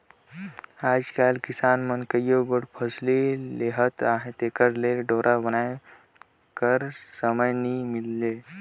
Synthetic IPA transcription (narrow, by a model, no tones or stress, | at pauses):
aːd͡ʒkalkisaːnmənkəjjobəɽpʰəslileɦət̪aɦẽt̪ekəɾleɖoːɾʔabənaj | kəɾsəməjnimilːe